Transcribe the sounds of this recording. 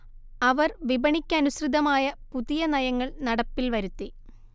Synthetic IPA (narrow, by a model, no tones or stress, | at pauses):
ɐʋɐrʋibɐɳikʲːɐnusrid̪ɐmaːjɐpuðijɐnɐjɐŋːɐɭnɐɽɐpːilʋɐɾut̪ːi